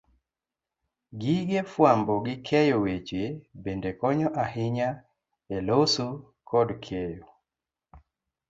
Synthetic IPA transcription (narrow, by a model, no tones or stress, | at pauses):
ɡiɡefwambɔɡɪkʰɛjowet͡ʃjebendekɔɲɔʔahɪɲa | elosu | kʰɔdkʰejo